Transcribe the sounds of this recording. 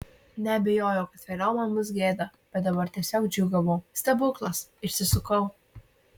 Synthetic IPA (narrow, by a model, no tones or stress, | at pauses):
nʲɛɐbʲɛjoːjɛʊkɐt̪ʲʋʲɛɾʲɐʊmɐmʊs̬ɡʲeːd̪ɐb̥ʲɛt̪̚d̪ɐbɐɾt̪ʲiɛsʲoːkd͡ʒʲʊɡɐʋoːsʲt̪ʲɛbʊklˠɐsɪʃʲsʲɪsʊkɐʊ